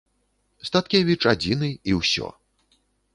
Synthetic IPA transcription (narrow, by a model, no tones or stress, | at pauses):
st̪at̪kʲevʲit͡ʂad͡zʲinɨiwsʲɔ̰